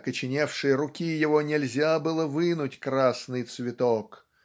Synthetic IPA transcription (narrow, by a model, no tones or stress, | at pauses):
kət͡ɕɪnʲefʂɨjəɾʊkʲijɪvonʲɪlʲzʲabɨlˠəvɨnʊtʲkɾasnɨjt̪svʲɪt̪ok